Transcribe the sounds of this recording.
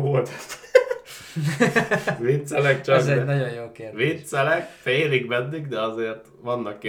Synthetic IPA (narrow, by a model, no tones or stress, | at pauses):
ɡʋolt̪ɛt | ʋit̪sɛlɛkt͡ʃɒkzɛnɒɟojjoːkeːʋit̪sɛlɛkfeːliɡmɛnːiɡd̪ɛɒzeːrt̪ | ʋɒnːɒkː